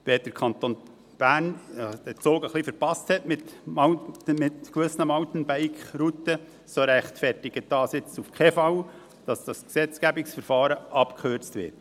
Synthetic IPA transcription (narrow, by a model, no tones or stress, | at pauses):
ʋeːd̥əɾkʰɑnt̪on | b̥æːɾnd̥ɛt͡soːɡəχlifəɾpɑsthɛtmɪtmmɪtkʋʏsnəmɑʊtn̩bæɪkχɾut̪ə | soɾæχtfɛɾtɪɡ̥əd̥ɑːsɪt͡sufkʰeːfɑw | d̥ɑsd̥ɑsksɛt͡skæbɪksfəɾfɑːɾəʔɑpkʰχøɾt͡stʋɪ̰t